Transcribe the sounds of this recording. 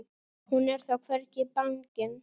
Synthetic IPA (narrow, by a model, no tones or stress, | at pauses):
hunɛɾ̥θakʰfɛɾcɪpaŋcɪn